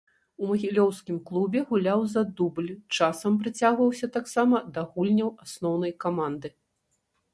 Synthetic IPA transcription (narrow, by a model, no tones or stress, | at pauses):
umɐɣʲilʲɔwskʲimklˠubʲɛɣulʲawzɐd̪ublʲt͡ʂasɐmpɾɨt͡sʲaɣvɐwsʲɐt̪aksamɐd̪ɐɣulʲnʲɐwasnɔwn̪ɐjkamand̪ɨ